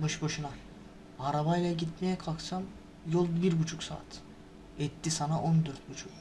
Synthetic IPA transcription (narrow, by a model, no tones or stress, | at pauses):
bɯʃboʃuna | aɾaβajlʲˠaɟit̪mejɛkʰalˠksam | jolˠbiɾbut͡ʃʰuksa̰ːt̪ʰ | ɛt̪ːisanaʔond̪øɾt̪̚but͡ʃʰuk